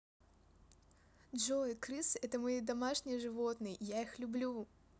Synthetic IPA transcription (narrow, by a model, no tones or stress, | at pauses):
ʐojkɾɨsɛt̪əmɐjid̪ɐmaʂnʲɪjʐɨvot̪nɨjjaixlʲʊblʲu